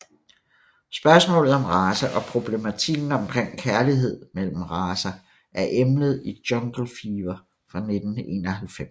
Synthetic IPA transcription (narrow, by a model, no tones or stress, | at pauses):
sb̥ɶɐsmɔ̰ːlð̩ˠɒ̽mʁɑːsæʔɒ̽pʰʁo̝b̥le̝mæt͡sʰiɡ̥n̩ɒ̽mkʰʁeŋ̰kʰæɐliɦe̝ð̰ˠmel̰m̩ʁɑːsæ | ʔæɐʔemləð̞̩ˠid̥jɒ̽ŋɡ̥l̩fiːʋɐ | fʁɑ̈ne̝d̥n̩e̝̰ːnɒhælfem